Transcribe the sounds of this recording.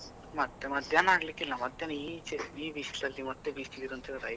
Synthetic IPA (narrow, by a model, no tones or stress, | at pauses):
mɐt̪ːemɐd̪ʱjaːnaːɽɐlikːilːɐmɐd̪ʱːɐniːt͡ʃeiːbiːsʈd̪ɐlːimɐt̪ːebiːsʈid̪iɾunt̪ʰeɾɐj